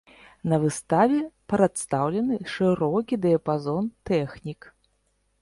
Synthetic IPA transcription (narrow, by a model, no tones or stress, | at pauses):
nɐvɨst̪avʲɛpɾat̪st̪awlʲɐnɨʂɨɾɔkʲid̪ɛɐpazɔnt̪ɛxnʲik